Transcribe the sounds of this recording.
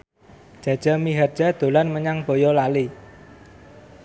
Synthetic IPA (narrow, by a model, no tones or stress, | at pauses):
d̥ʒ̥ä̤d̥ʒ̥a̤miɦardʒ̥a̤d̪̥o̤lanməɲaŋb̥o̤jɔlali